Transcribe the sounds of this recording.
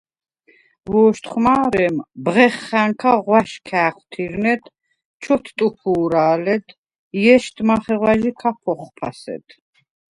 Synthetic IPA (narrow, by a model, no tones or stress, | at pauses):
vɔːʃt̪χmaːɾɛmbʁɛχːaŋkʰaʁwaʃkʰæːqʰwt̪ʰiɾnɛt̪ | t͡ʃʰɔt̪ʰt̪ʼupʰuːɾaːlɛd̪ | ijɛʃt̪ʰʼmaχɛʁwaʒikʰapʰɔχpʰasɛ̰t̪ʰ